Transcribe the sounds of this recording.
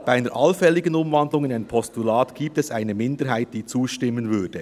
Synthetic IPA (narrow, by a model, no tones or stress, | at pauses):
b̥aɪaɪnəɾʔɑlfɛlːɪɡənʊmvɑndlʊŋɪnaɪnpʰɔstulaːtɡ̥iːp̚tɛsaɪnəmɪndəɾɦaɪt̚d̥iːt͡suːʃtɪmːənvʏd̥ə